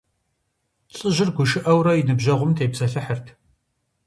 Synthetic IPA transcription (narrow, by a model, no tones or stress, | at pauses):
t͡sʼɨʑɪrɡʷʊʃɪʔɐwɾɐjinɨbʑɐʁʷʊmtʰeːjbzɐɬɨħərtʰ